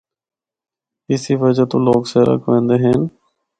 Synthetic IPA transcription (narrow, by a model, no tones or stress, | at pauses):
ɪsiːʋəd͡ʒaːt̪õːloːkseːɾə̰kʋẽːnd̪eːɦen